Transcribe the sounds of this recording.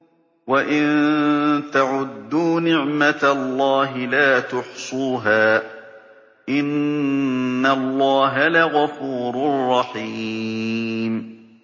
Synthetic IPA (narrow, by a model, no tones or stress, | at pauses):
waʔɪn | t̪aʕʊd̪ːuːnɪʕmat̪alˤːɑːɦɪlaːt̪ʊħsˤuːɦaː | ʔɪnː | alˤːɑːɦalaɣafuːɾrˤːɑħiː | m